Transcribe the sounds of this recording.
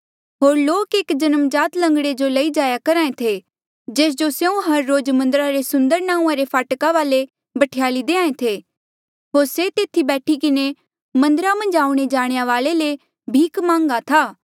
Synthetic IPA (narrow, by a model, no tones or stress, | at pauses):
ɦoːɾloːkeːkd͡ʒɐnəmd͡ʒaːt̪lɐ̃ŋɡɽed͡ʒolɐid͡ʒaːjakɐɾaːẽt̪ʰe | d͡ʒeːs̬d͡ʒosjeũɦɐɾːoːd͡ʒmɐ̃nd̪əɾaɾesʊ̃nd̪əɾnãːũãɾepʰaːʈkaʋaːle | bɐʈʰɪjaːlid̪eːãːẽt̪ʰe | ɦoːɾset̪eːt̪ʰibɛːʈʰikɪne | mɐ̃nd̪əɾamɐ̃nd͡ʒaːũɽ̃ed͡ʒaːɽ̃ejaʋaːlele | bʱiːkmãːŋɡat̪ʰaː